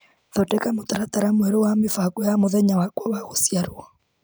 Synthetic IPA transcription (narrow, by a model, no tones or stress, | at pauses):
ðɔtɛkamotaɾataɾamwɛɾowamefakojamoðɛɲawakwɔwaɣosjaɾwɔ